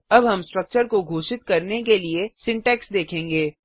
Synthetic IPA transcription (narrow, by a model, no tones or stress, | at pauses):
ɐbɦɐmsʈɾək̚t͡ʃəɾkoɡʱoːʃɪt̪̚kɐɾnekeliesɪ̃ɳʈɛːksd̪eːkʰẽːŋɡeː